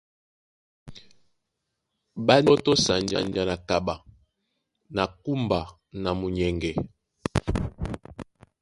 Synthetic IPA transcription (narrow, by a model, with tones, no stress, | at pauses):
ba˦nɔ˦to˦sa˨nd͡ʒa̰˨nd͡ʒa˨na˨ka˨ba˨ | na˨ku˦mba˨ | na˨mu˨ɲɛ˨ŋɡɛ˨